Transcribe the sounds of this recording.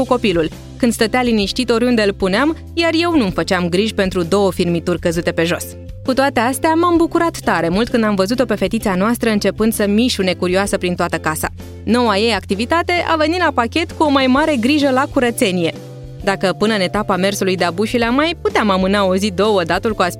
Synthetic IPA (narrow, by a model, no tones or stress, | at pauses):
kuko̞pilul | kɨnd̪st̪ət̪ealiniʃt̪it̪o̞ɾʲund̪e̞ɨlpuneam | jarje̞wnumfət͡ʃeamɡɾiʒʲpe̞nt̪ɾud̪o̞wəfirmit̪urʲkəzut̪e̞pe̞ʒo̞̰s | kut̪oat̪e̞ast̪eamambukuɾat̪ːaɾe̞mult̪̚kɨnd̪amvəzut̪o̞pe̞fe̞t̪it̪sianoast̪ɾəɨnt͡ʃe̞pɨnd̪̥səmiʃune̞kuɾioasəpɾint̪oat̪əkasa̰ | no̞waje̞jak̚t̪ivit̪at̪e̞ʔa̰ve̞nit̪lapakʲe̞t̪kuo̞majmaɾe̞ɡɾiʒəlakuɾət̪se̞nije̞ | d̪akəpɨnəɨne̞t̪apame̞rsulujd̪eabuʃileamːajput̪eamamɨnao̞zid̪o̞wəd̪at̪ulkua